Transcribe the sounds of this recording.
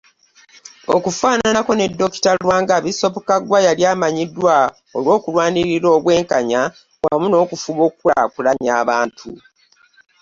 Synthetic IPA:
o̰kufaːnanako̞ne̞dːo̞ki̥tawaːŋɡaβiso̞βokaɡwajaljaːmaɲidːwa | olwo̞ːkulwaːniɾiɾo̞ːβwe̞ːŋkaɲa | wamuno̞ːkufuβo̞ːk̚ua̰kulaɲaːβaːntʰu

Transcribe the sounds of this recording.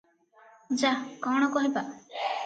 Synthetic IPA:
d͡ʒakɔwɽ̃ɔkɔɦipa

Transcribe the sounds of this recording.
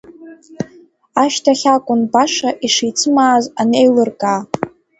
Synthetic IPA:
aʃtʰaχʲakʷʼʊnbaʂaʔiʂit͡sʰɨmaːzanejlɨrkʼaː

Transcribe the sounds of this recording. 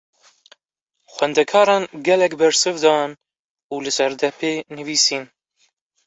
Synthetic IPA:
xʷɛnd̪ɛkʰɑːɾɑːnɡɛlɛkbɛɾsɨvd̪ɑn | uːlɨsɛɾd̪ɛpʰeːnɨviːsiːn

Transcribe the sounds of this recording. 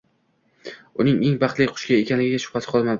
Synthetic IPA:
ʊnɪŋe̞ŋbɑχt̪lɪjqʰʊ̥ʃkʲaekʲanlɪɡʲɪɡʲaʃʊ̥χat̪ʰɪ̥qʰɒlˠmad̪ɪ

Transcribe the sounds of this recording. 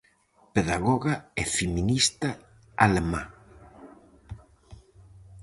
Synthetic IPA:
peðaɣɔɣaɛfeminist̪a | a̰lema

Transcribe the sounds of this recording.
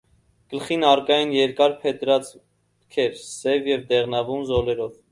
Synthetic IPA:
ɡ̥əlχinɑrkɑjinjɛɾkɑɾpʰɛt̪ɾɑt͡s | kʰɛɾsɛvjɛvd̪ɛʁnɑvumzɔlɛɾɔv

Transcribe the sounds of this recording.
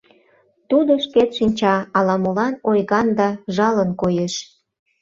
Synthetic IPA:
t̪ud̪oʃket̪ʃinʲt͡ɕɑɑlɑmolɑnojɣɑnd̪ɑʒɑlənkojeʃ

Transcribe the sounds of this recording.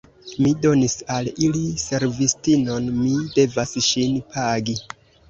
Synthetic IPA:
mido̞nisalilise̞ɾvistino̞nmide̞vasʃinpʰaɡi

